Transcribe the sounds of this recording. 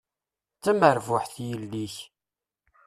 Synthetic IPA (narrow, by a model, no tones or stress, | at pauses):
t͡sːæməɾvʊħθjəlːiç